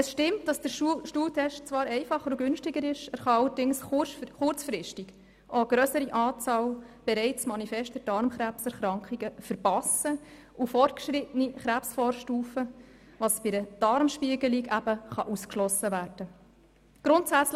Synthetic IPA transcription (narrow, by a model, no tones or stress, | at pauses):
əsʃtɪmt̚d̥ɑsd̥əɾʃuʃtuːtʰɛʃtt͡svɑːɾɛɪfɑχəɾɔɡʏnʃtɪɡəɾɪʃæɾχɑɑlːəɾdɪŋsχʊrt͡sfɾɪʃtiɡ̥ | ʔoɡ̥ɾœsəɾiʔɑːt͡sɑːlb̥ɛɾɛɪt͡smɑnifɛʃtdəɾd̥ɑɾmχɾæpsɛɾχɾɑŋkχiɡ̥əfəɾpɑsə | ʔufɔrt̚kʃɾɪtəniχɾæpsfɔːɾʃtuːfə | vɑsb̥ɪɾəd̥ɑɾmʃpiəɡəliɡæb̥əχɑʔuskʃlɔsəvæːd̥ə | ɡ̥ɾʊntsæt͡sl